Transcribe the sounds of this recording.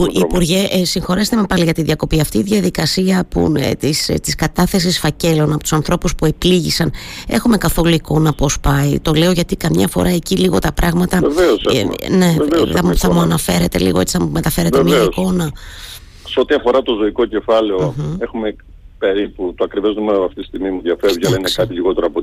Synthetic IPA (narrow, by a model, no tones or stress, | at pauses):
puipuɾʝeʔsiŋxo̞ɾest̪emepɐliʝɐt̪inðiɐko̞piɐft̪iːðiɐðikɐsiɐpṵt̪ist̪iskɐt̪ɐθe̞sisfɐce̞lo̞nɐpot̪u̥sɐnθɾo̞puspue̞pliʝḭsɐne̞̰xume̞kɐθo̞luiko̞nɐpo̞spɐit̪o̞le̞o̞ʝɐt̪ikɐmɲɐfo̞̰ɾʔɐe̞ciliɣo̞t̪ɐpɾʔɐɣmɐt̪ɐeveosne̞veoɐθɐmuɐnɐfe̞ɾe̞t̪e̞̰lḭɣo̞et͡si̥θɐmume̞t̪ɐfe̞ɾet̪emieisko̞nɐ | seot̪iɐfo̞ɾɐt̪o̞zo̞iko̞ce̞fɐleoexume | pe̞ɾiput̪oɐkɾiveznumenoɐft̪it̪sist̪iɣmimuðʝɐfeɾopçɐɐlɐinekɐt̪iʎiɣo̞t̪eɾɐpo